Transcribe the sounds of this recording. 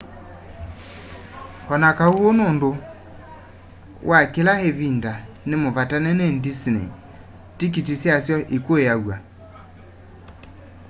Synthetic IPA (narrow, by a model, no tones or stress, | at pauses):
hɔnakauonondo | wʔakelaheβinda | nemovatanɛnendisnḛ | tik̬itisjasjɔʔikoejaɣwa